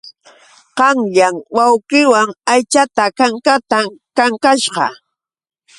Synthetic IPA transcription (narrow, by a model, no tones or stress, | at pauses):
qɑŋʎaŋwawqɪwaŋajt͡ʃat̪akaŋkat̪akaŋkaʃɢɑ̰